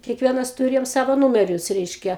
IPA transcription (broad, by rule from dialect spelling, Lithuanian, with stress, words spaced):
kʲiɛkˈʋʲiɛnɐs tʊˈrʲeːjoːm ˈsɑːʋoː ˈnuːmʲɛrʲʊs ˈrʲɛɪʃʲkʲɛ